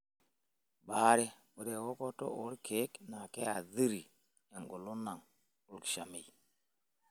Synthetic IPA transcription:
ba˨˦ɾe˦ | mu˨de˨wo˦ko˦to̰˦o˨˦ɾkʰe˨˦kna˨ke˦a˨ði˦ɾi˨ | ja˨ŋɡo˨lu˦na˨ŋ | u˦˨kʃa˨mi˨

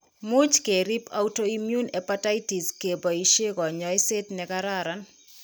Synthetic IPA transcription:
mu˦t͡ʃke˨ɾi˦pa̰wto˦imju˦nɛpata˦iti˨ske˨bɔ˨i˨ʃe˦kɔ˨ɲɔ˨ɪ˦se˦tnɛkaɾaɾan

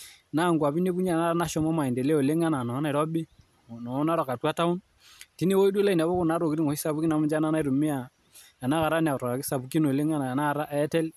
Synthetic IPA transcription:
na˦˨ŋɡwa˨bi˦ne˦bu˦ɲa˦˨na˦na˦ʃɔ˨mɔ˦ma˨i˨de˨le˦o˨le˦ŋa˦na˨nɔ˨˦na˦˨i˨ɾɔ˦bi˦˨ | nɔ˨˦na˦ɾɔ˨ka˨twa˦ta˦ʊ˦n | ti˦ne˦wo˦i˦do˦la˦i˨na˨βɔ˦ku˦na˨˦ɾo˨ki˦ɾi˦ŋɔ˨i˦sa˨bu˦ki˦na˨mʊ˦d͡ʒa˦na˦na˦i˦ɾu˨mi˦a˨ | a˨na˦ka˨ɾa˦nɛ˨a˨ɾɔ˨a˨ki˦sa˨bu˨ki˦no˨le˦ŋa˦na˨a˨na˦˨ɾa˦ʔtɛ˦l

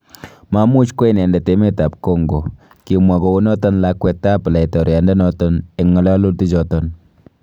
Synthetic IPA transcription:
ma˦mu˦t͡ʃko˦i˨nɛ˨nda˨te˦me˦ta˨p̚ko˦ŋɡo˨ | ki˨mwa˨ko˨wu˦nɔ˦tɔ˦nla˦kwɛ˦ta˦pla˨i˨tɔ˨ɾa˨nde˦nɔ˦tɔ˦ne˨ŋɔ˨la˦lo˦lti˦t͡ʃɔ˨tɔ˦n

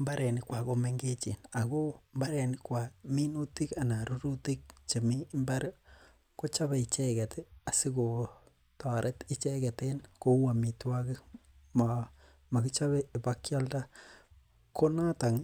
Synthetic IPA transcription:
mba˦ɾɛ˨nɪ˦kwa˨ko˦me˦ŋɡe˦t͡ʃḭ˨na˨ko˦mba˦ɾe˨nɪ˦kwa˨mi˦nu˦ti˦ka˨na˨ɾu˦ɾu˦ti˦k̚t͡ʃe˨mi˦mba˦ɾ | ko˦t͡ʃa˦be˨i˨t͡ʃɛ˦kɛ˨ta˨si˦ko˨ | ta˨ɾʔe˦ti˦t͡ʃɛ˦kɛ˨tenko˦wa˨mi˨twakɪ˦ma | ma˨ɡi˦t͡ʃa˦βei˨pakja˦lda˦ | ko˦na˦ta˨ŋ

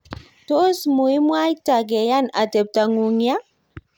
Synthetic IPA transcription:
to˦smu˨i˦mwa˦ita˨ɡɛ˨ja˦na˨te˨p̚ta˨ŋu˨ŋja˦

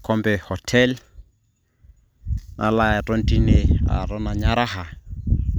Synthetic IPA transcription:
kʰɔmbɛhɔtʰɛl | nʔala˨ɛ˨tʼɔ˦n̩tʼi˦nea̰ɾɔ˦na˨ɲaɾa˦ha˨

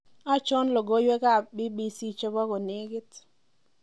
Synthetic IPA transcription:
a˦t͡ʃɔ˦nlo˨ɡo˦jwe˦ka˦˨bi˦bi˦si˦t͡ʃo˦ba˦ko˨nɪ˦ɡɪ˦t

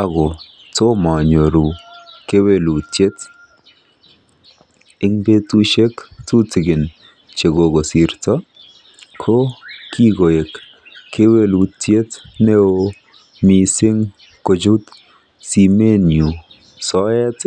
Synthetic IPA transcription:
aɡɔ˨ | to˦ma˨ɲo˨ɾu˨ke˦we˦lu˨te˦t | ɪ˦ŋbe˦tu˦ʃe˦ktu˦tɪ˨ɡɪ˨n | t͡ʃe˨ɡo˨ɡo˨si˨ɾtɔ˦ | kʰo˦kʰi˦ɡo˨je˨k | kʰːe˦we˦lu˨tje˦tne˦o˦ | misɪ˦ŋ | ko˨d͡ʒu˦t̪ | si˨me˦niu˨ | sɔ˦jɛ˦t

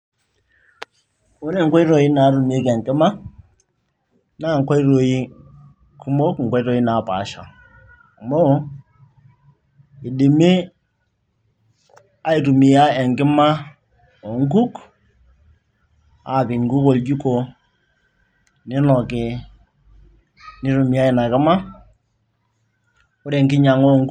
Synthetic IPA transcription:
u˦ɾi˦ŋ˦ko˦i˦ɾo˨ji˦na˨˦ɾu˨m˨e˦ke˨ŋkɪ˦ma˦ | na˦˨ŋ˨ko˦i˦ɾo˨ji˦ | kʰu˦mo˦kŋ̩˨kʷo˦i˦ɾo˨i˦na˨pa̰˨ʃa̰˨ | mo˦ | i˨di˨me˦ | a˦i˨tu˨mi˨ja˦ɛ˨ŋkɪ˦ma˦ | o˨ŋ̩˦ku˦k | a̰˦˨pɪ˨ŋ˨ɡu˦ko˨ld͡ʒu˦ko˨ | nɪ˦nɔ˨kɪ˨ | nɪ˦ɾu˨mi˨ja˦ɪ˨na˨kɪ˦ma˦ | ʊ˦ɾɛ˨ŋkɪ˦ɲa˨ŋo˦˨ŋ˦

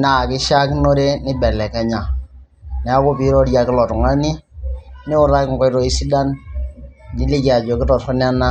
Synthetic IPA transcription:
na˨kɪ˦ʃa˦kno˦ɾe˦nɪ˦bɛ˨lɛ˨kɛ˦ɲa˨ | nɛ˨˦a˦ko˦pi˨˦ɾɔ˦ɾja˨kɪ˦lɔ˨tʊ˨ŋa˦ni˦nɪ˦ʊ˦ɾa˦kŋ˨kɔ˦ɾɔ˦i˦si˦da˦n | nɪ˦li˦ki˨a˨d͡ʒɔ˨kɪ˦tɔ˨tɔ˦n˦a˦na˦

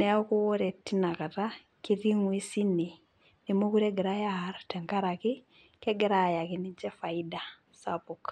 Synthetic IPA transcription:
nɛ˦o˦ko˦wo˦ɾɛ˨ti˦na˨ka˨ta | ki˦ɾi˦ŋwi˦si˦ne˨ | ne˨mo˦ku˦ɾɛɡɛ˨ɾa˦jaaɾatɛ˨ŋka˦ɾaki˦ | kɛ˦ɡɛɾa˨ja˨kini˦t͡ʃɛ˦fa˨ida˨ | sa̰puk

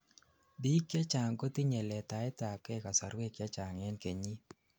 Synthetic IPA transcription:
bi˦kja˦t͡ʃa˨ŋko˦ti˦ɲɛ˨lɛ˨ta˨ɛ˦ta˨kɛ˦ka˨sa˨ɾwe˦kja˦t͡ʃa˨ŋɛ˦nke˨ɲi˦

